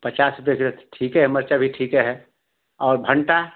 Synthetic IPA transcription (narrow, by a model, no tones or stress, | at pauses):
pət͡ʃaːsɾʊpjekɪɾt̪ʈʰiːkɦɛɦɛməɾt͡ʃabʱiʈʰiːkɛɦɛ | ɔːɾbʱə̃ɳʈa